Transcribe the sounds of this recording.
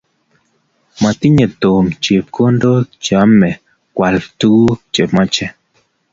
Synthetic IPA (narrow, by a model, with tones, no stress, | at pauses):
ma˨t̪i˦ɲe˨t̪o˨mt͡ʃe˨p̚ko˦ndo˦d͡ʒa˨˦mɛ˨ | kwa˨lt̪u˦t͡ʃe˨pma˦t͡ʃɛ˦